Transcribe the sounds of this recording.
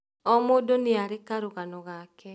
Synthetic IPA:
ɔmodoneaɾekaɾoɣanɔɣakɛ

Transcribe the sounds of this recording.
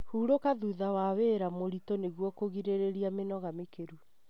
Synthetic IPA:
huːɾokaðuðawaweɾamoɾitoneɣwɔkoɣiɾeɾeɾiamenɔɣamekeɾu

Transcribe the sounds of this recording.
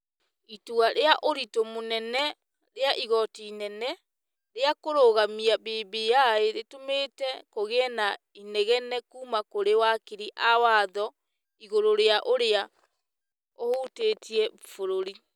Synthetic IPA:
ituaɾeaʔoɾitomonɛnɛ | ɾeaʔiɣɔtiːnɛnɛ | ɾeakoɾoɣamiabeːbejaeɾetometɛkoɣeɛna | inɛɣɛnɛkumakoɾewakiɾiʔawaðɔ | iɣoɾoɾeaʔoɾea | ohoteːtiɛ | foɾoɾi

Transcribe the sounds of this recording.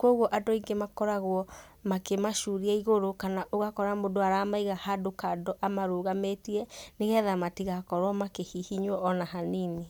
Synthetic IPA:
kwɔɣwɔʔadɔiŋɡemakɔɾaɣwɔ | makemaʃuɾiaiɣoɾokanaʔoɣakɔɾamodoaɾaːmaiɣahadokadɔʔamaɾoːɣametiɛneɣɛðamatiɣakɔɾɔmakehihiɲwɔʔːnaɦanini

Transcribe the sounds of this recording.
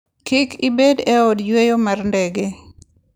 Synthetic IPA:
kɪkʰibedɛɔdjwejomarndɛɡe

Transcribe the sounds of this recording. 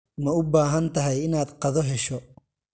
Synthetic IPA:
mɐʊbaːɦɐnt̪ʰɐɦɛjɪnaːd̪qɑðɔɦɛʃɔ

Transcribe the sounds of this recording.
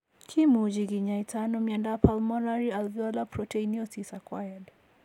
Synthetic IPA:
kʰimud͡ʒiɡiɲaitanɔmiandapalmɔnaɾialvjɔlapɾɔtɛiniɔsisakwajad

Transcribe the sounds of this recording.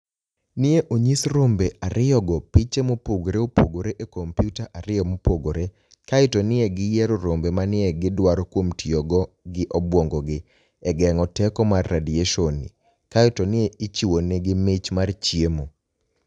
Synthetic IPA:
nɪeʔoɲisɾombeʔaɾɪjɔɡɔpit͡ʃemopoɡoɾeopoɡoɾeʔekompjutaʔaɾɪjɔmopoɡoɾe | kaɪtɔnɪeɡɪjɛɾoɾombemanɪeɡɪdwaɾokwomtʰioɡɔ | ɡɪʔɔbwoŋɡɔɡɪ | ɛɡɛŋɔtɛkɔmarːedieʃonḭ | kaɪtonɪeit͡ʃiwoneɡɪmɪt͡ʃmart͡ʃjemo

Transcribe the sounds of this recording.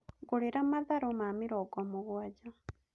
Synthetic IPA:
ɡoɾeɾamaðaɾomamiɾɔɡɔmuɣwad͡ʒa

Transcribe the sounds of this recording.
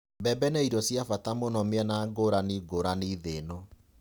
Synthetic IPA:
bɛbɛnɛiɾɔsjafatamonɔmeɛnaɡoɾaniɡoɾaniːðenɔ

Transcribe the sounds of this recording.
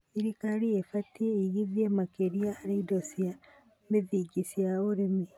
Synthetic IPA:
iɾikaɾiefatieiɣiðiemakeɾiaːɾeidosja | meðiɡisjaoɾemi

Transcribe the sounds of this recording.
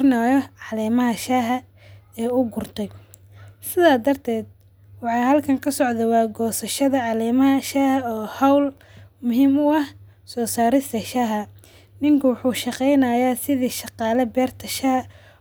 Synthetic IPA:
naːjɔʕɑlɛːmɐɦɐʃaːɦɐ | ɛːʊɡʊrt̪ʰɛj | sɪðaːd̪ɐrt̪ʰɛːd̪̚ | wɑħɑjhɐlkʰɐŋkʰɐsɔʕðɛwɑːɡɔːsɐʃɐðɐʕɑlɛːmɐɦɐʃaːhɐɔːhɐwl | mʊɦiːmʊɐh | sɔːsaːɾɪst̪ɐʃaːɦɐ | nɪŋkʰɐwʊħuːʃɑqɛjnɐːjaːsɪðiːʃɑqɑːlɛbɛːrt̪ʰɐʃaː

